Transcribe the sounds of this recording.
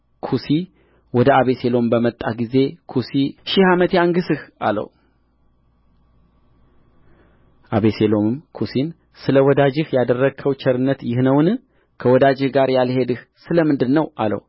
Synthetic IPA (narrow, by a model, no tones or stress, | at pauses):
kʰusi | wɔd̪əaβe̞se̞lo̞mbəmət̪ʼːaɡize̞kʰusiʃɪhamət̪jaŋɡɨsɨha̰lə̰w | ʔaβe̞selo̞mɨmkʰusin | sɨləwɔd̪ad͡ʒɪhjad̪ərːəɡkʰːəwt͡ʃʰɛɾɨnːət̪jɪhnəwnɨ | kʰəwɔd̪ad͡ʒɪhɡaɾjalhe̞d̪ɨh | sɨləmɨnd̪ɨnnːəwa̰lə̰w